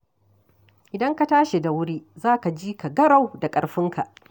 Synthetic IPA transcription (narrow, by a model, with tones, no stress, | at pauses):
ʔɪ˨dɐ˦ŋka˦taː˦ʃe˨da˨wʊ˦ɾiː˦zaː˦ka˨d͡ʒiː˦ka˨ɡɐ˦ɽa˨wda˨kʼɐ˨ɽɸɪ˦ŋkʰa˨ʔ